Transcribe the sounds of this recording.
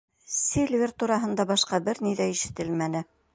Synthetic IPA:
sʲelʲvʲert̪uɾɑɦɤ̆nd̪ɑbɑʃqɑbɘɾniðæiʃɘ̆t̪ɘlmænɘ

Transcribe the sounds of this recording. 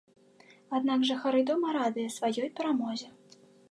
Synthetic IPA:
ad̪naɡʐɐxaɾɨd̪ɔmɐɾad̪ɨjɐsvajɔjpʲɛɾamɔzʲɛ

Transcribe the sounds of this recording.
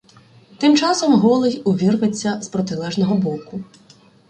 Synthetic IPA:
t̪ɪmt͡ʃɑsɔmɦɔlˠɪjʊʋʲirʋet͡sʲːɐzpɾɔt̪ɪlˠɛʒnɔɦɔbɔkʊ

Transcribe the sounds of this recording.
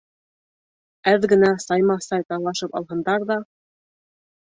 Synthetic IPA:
æðɡɘ̆næsɑjmɑsɑjt̪ɑlˠɑʃɤpɑ̰lˠɦɤ̆nd̪ɑɾðɑ

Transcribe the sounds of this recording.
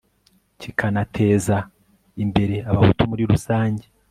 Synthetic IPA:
cikʰanatʰe̞ːza | imbe̞ɾe̞aβahutumuɾiɾusaːɲɟe

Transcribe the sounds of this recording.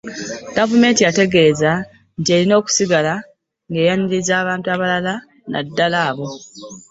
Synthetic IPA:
ɡ̥avume̞ːntijate̞ɡe̞ːza | ntie̞ɾino̞ːku̥siɡala | ŋɡe̞ːjanilizaːβaːntuaβalala | na̰dːalaːβo̞

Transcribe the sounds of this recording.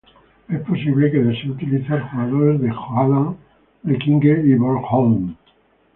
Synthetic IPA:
esposiβlekeðeseut̪iliθalxuɣaðoɾezðexuaða | lekiŋɡeiβoɾxol

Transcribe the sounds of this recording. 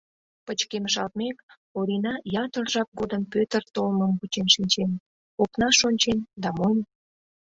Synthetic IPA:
pət͡ɕkeməʃɑlt̪̚mek | oɾʲinɑjɑt̪ərʒɑk̚ɡod̪ənpøt̪ərt̪olməmbut͡ɕenʃinʲt͡ɕen | oknɑʃonʲt͡ɕend̪ɑmon

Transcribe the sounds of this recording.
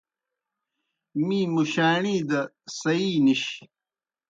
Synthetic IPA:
mĩːmuɕaːɳiːd̪ɐ | sɐiːniɕ

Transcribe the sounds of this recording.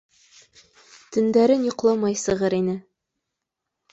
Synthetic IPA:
t̪ɵ̆nd̪æɾɘnjŏqlˠɤmɑjsɤ̆ʁɤɾinɘ

